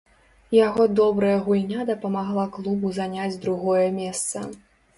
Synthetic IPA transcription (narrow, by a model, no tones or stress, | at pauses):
jaɣɔd̪ɔbɾɐjɐɣulʲnʲad̪ɐpɐmaɣlˠaklˠubuzanʲad͡zʲd̪ɾuɣɔjɐmʲɛst̪sɐ̰